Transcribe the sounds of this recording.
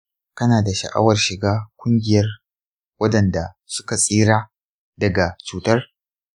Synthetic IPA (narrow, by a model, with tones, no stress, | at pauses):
kɐ˦naː˨da˨ʃɐ̰˨ʔa̰˦wɐ˨rʃɪ˨ɡaː˦kʷʼʊ˦ŋɡʲɪ˨jɐ˦r | wɐ˦dɐ˨nda˨ | sʊ̥˦ka˨sʼiː˦ɾaː˦ | dɐ˨ɡa˨t͡ʃuː˨tɐ˦r